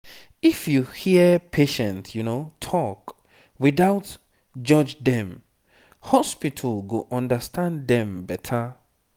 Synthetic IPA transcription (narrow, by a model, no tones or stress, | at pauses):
ifjuhiəpʰeʃɛ̃ntjunotʰɔk | wiðaʊt | d͡ʒʌd͡ʒðɛ̃m | hɔspitʰəlɡoʔʌ̃ndəstʰãndɛ̃mbɛtʰə